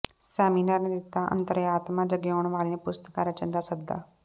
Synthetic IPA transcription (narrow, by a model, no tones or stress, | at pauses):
sɛːminaːɾneːd̪ɪt̪ːaːʔə̰nt̪əɾaːt̪mãːd͡ʒəɡeoːɳ̃ʋaːlijãːpʊst̪əkaːɾət͡ʃə̃nd̪aːsəɡ̚d̪a̰ː